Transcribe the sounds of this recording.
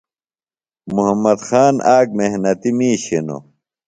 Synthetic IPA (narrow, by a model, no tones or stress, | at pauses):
muɦɐmːɐd̪xaːnʔaːk̚meɦnɐt̪imiːɕeno̰